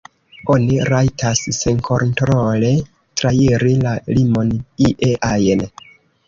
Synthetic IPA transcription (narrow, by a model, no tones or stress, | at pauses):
o̞niɾajtʰasːenkʰo̞ntɾole̞ | tɾaiɾilalimo̞niʔeʔajn